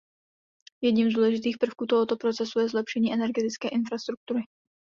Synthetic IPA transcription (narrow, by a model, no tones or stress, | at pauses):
jɛdɲimzd̪uːlɛʒɪt̪iːxpr̩fkuːt̪oɦot̪o̞pɾot͡sɛsujɛzlɛpʃɛɲiːʔɛnɛɾɡɛt̪ɪt͡skɛːʔɪnfɾast̪ɾuk̚t̪uɾɪ